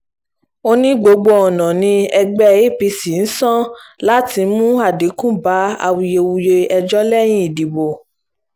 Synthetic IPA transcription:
o˦nĩ˦ɡ͡bo˧˦ɡ͡bo˧˦ɔ˨nã˨nĩ˧ɛ˧ɡ͡bɛ˦˧i˦pi˧si˨n̩˦sã˦la˦ti˧˦mũ˦a˦˨di˨˦kũ˦ba˨˦a̰˧wi˧je˧wu˧je˧ɛ˧d͡ʒɔ˦lɛ˦˨j̃ĩ˦i˨di˨bo˨

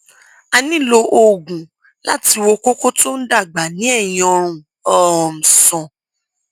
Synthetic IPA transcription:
a˧nĩ˦lo˧ʔo˨ɡũ˨ | la̰˦ti˧wo˧ko˦ko˦to˦n̩˦da˦˨ɡ͡ba˨nĩ˨˦ɛ˦˨j̃ɔ̃˧ɾ̃ũ˨ | ɔ˨ɔ˨m̩̃˨sɔ̃˨

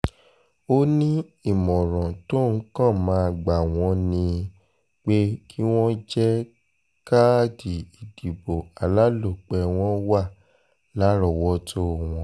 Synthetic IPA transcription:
o˦nĩ˦i˦˨mɔ̃˨ɾɔ̃˨to˦˨n̩˦kã˦˨mãː˨˦˧ɡ͡ba˨w̃ɔ̃˧˦nĩ˧ | k͡pe˦kʰi˦w̃ɔ̃˦d͡ʒɛ˦ | ka˦di˨i˨d̥i˨bo˨a˨la˨˦lo˦˨k͡pɛ˧w̃ɔ̃˦wa˦˨ | la˨˦ɾɔ˨wɔ˧˦tʰo˦˨w̃ɔ̃˧˦

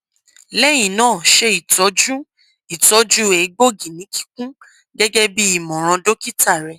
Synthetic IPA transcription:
lɛ˦j̃ĩ˨nãː˦˨ʃe˧i˨tɔ˨˦d͡ʒu˦ | i˨tɔ˨˦d͡ʒu˦e˨˦ɡ͡bo˦˨ɡĩ˨nĩ˨˦kʰi̥˦k̚ũ˦ | ɡɛ˦ɡɛ˦bi˦i˦˨mɔ̃˨ɾ̃ã˧do˦ki˦tʰa˦˨ɾɛ˧

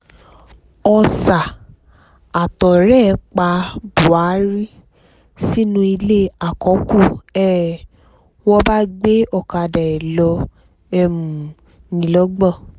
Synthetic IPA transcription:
ɔ˧sa˨ | a˨tɔ˨ɾɛ˦˨˧k͡pa˧bu˨a˨˦ɾi˦ | si˦nũ˧i˧le˦a˨kɔ˨˦ku˦˨ɛː˦˨ | wɔ˧ba˦ɡ͡be˦ɔ˦˨ka˨˧˨da˨ɛ˨lɔ˧ | ɛ˧mũ˨ | nĩ˨lɔ˨˦ɡ͡bɔ˦˨

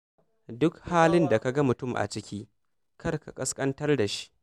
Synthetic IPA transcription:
dʊ˦khaː˦lɪ˦nda˨ka˨ɡɐ˦mʊ˨tʊ˦˨mʔa̰˨t͡ʃɪ˦kʲiː˦ | kɐ˦rka̰˨kʼɐ˦skʼɐ˦ntɐ˦rda˨ʃi̥i̥˦ʔ

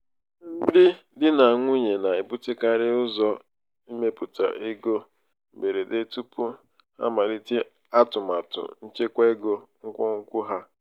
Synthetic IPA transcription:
n̩˦dɪ˦ | dɪ˦na˨a˨ŋʷu˦ɲe˨na˨i˨pʊ˦tɪ˦ka˦ɾɪ˦ʊ˦zɔ˦ | i˦me˦pu˨ta̰˨ʔɪ˦ɡo˦ | m̩˨be˨ɾe˨de˦tu˦pʊ˦ | ha̰˦ma˨li˦ti˦ | a˦tʊ˨ma˨tʊ̰˨n̩˦t͡ʃe˦kʷa˦e˦ɡo˦ŋ̩˦kʷɔ˦ŋ̩˦kʷʊ˦ɦa˦

